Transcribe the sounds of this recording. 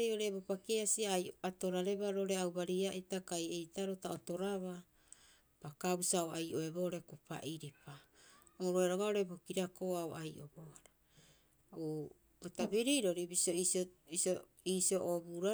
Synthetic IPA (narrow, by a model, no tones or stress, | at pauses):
ejo̞ɾe̞bopakeasiaajoatoɾaɾe̞baɾoɾe̞awbaɾiaʔitakajejtaɾo̞taoto̞ɾaβa | pakabusaoajʔo̞ebo̞ɾe̞kupa̰ʔiɾepa | oɾoeɾoɡao̞ɾebo̞kiɾako̞aoʔajʔo̞̰boaɾa | u | otabiɾiɾo̞ɾibisioisoiso | iːsioʔobuɾa